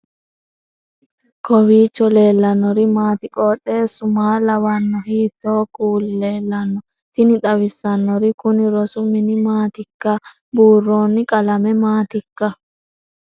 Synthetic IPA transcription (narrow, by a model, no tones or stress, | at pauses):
kɔwiːt͡ʃːɔle̞ːlːɐnːɔɾɪmaːt̪ɪkʼoːɗːe̞ːsʊmaːlɐwɐnːɔhiːt̪ːo̞ːkʼuːlːe̞ːlːɐnːɔ | t̪ɪnɪt̪ɐwɪsːɐnːɔɾɪkʊnɪɾɔsʊmɪnɪmaːt̪ɪkːɐ | buːrːoːnːɪkʼɐlɐmɛmaːt̪ɪkːɐ